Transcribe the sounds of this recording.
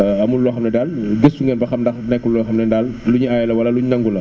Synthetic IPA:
ɐmullɔxɐmnɐdalɡəsːuŋɡɛnbɐxɐmdɐnɛkːulːɔxɐmnɛndalluɲuajɛlɐwɐlɐluɲnɐŋɡulɐ

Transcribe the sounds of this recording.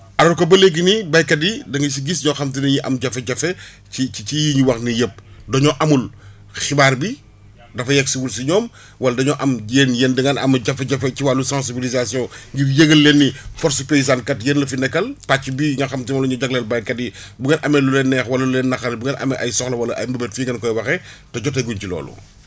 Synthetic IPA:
ɐɾɐkɐbɐleɡ̬inibɐjkɐdidɐŋɡis̬iɡisɲɔxɐmt̬inɐɲiʔɐmɟɐfɛɟɐfɛ | iicijiɲiwɐxnijəp̚dɔɲɔʔɐmul | xibaːɾbi | dɐfɐjɛksiwulsiɲɔːm | wɐlɐdɐɲɔʔɐmenjendiŋɐnɐ̰mɐɟɐfɛɟɐfɛciwalusãs̬ibilizasijɔ̃ŋɡiɾjeɡɐlːenːifɔɾsupeizãːnkɐtjenlɐfinɛkːɐlpacːibiŋɡɐxɐmtimɔlɐɲɔɟɐklɛlbɐjkɐti | buŋenʔɐmɛlulɛnːɛːxwɐlɐlulenːɐxɐnbuŋɡenɐ̰mɛʔɐjsɔxlɐwɐlɐʔɐjmɐbɛtfiɡɐnkɔjwɐxɛtɐɟɔt̬ɐɡuncilɔ̰ːlṵ

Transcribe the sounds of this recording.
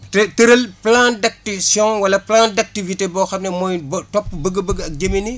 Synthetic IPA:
tɛtəɾɐlplãndɐk̚tisjɔ̃ŋwɐlɐplãːndɐk̚tivitebɔxɐmnɛmɔjbtɔpːbəɡəbəɡɐk̚ɟɐmini

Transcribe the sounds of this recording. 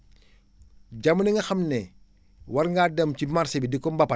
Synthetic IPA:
ɟamuniŋɡɐxɐmnɛ | wɐɾŋɡaːdɐmcimarsibidikɔmbɐpɐ

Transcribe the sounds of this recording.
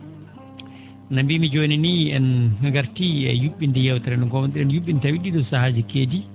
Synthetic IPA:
nambimid͡ʒoːniniɛnŋaŋɡaɾtiɛjuɓːindɛjawtaɾɛnɗɔŋkɔmɔndiɛnjuɓːintawiɗiɗɔsahad͡ʒikeːdi

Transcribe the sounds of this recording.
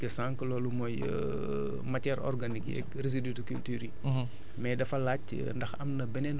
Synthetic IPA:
kɐsãːŋklɔːlumɔj | matɛɾɔ̰rɡanikjɛ̰kreziditukultyːɾi | mɛdɐfɐlaːc̚ | ndɐxɐmnɐbɛnɛn

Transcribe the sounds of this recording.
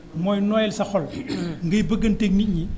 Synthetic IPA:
mɔjnɔjɛlsɐxɔlŋɡɐjbəɡːɐntek̚mic̚ɲi

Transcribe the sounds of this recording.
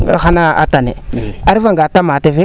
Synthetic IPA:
a̰xanaa̰tanḛaɾvaŋɡatamateve

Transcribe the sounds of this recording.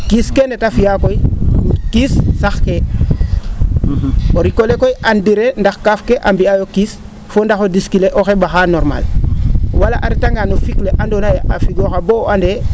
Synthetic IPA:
kiskendetafijakoikissaxke | oɾikolekojʔandiɾendaxkafkeʔambiajokis | fondaxodiskileʔoxebaxanoɾma̰l | walaʔaɾitaŋɡanofikleʔandonajʔafiɡoxaboande

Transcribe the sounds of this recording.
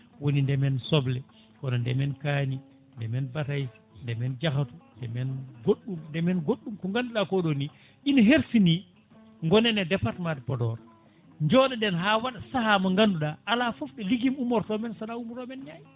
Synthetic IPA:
wonindɛmɛnsɔblɛ | kɔnɔndɛmɛnkaːni | ndɛmɛnbataj | ndɛmɛnd͡ʒaxatundɛmɛnɡoɗːumndɛmɛnɡoɗːumkɔŋɡanduɗakɔɗoni | ʔinɔɦeɾsini | ŋɡɔnɛnɛdɛpaɾtmatpɔdɔɾ | ɲd͡ʒɔːɗɛɗɛnɦaːwaɗasahamaŋɡanduɗaʔalafɔfɗɛliɡimumɔɾtɔmɛnsaɗaumɾɔmɛnɲaj

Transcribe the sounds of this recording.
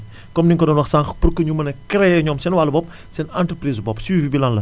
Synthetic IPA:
kɔmniŋkɔdɔnwɔxsãŋxpurkəɲumɐnɐkɾeɲɔmsɛnwalːbɔp̚ | sɛnãntɾəpɾizbɔpswivibilãnlɐ

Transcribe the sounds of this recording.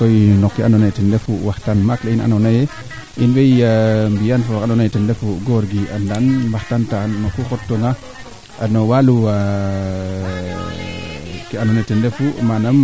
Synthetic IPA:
kojnokːianonajtindefuwahtanmakleina̰nanaje | inbejambijanfolkanonajtindefuɡoɾɡiandanbahtantanːokːukotːoŋa | anowalua | kianonatindefumanam

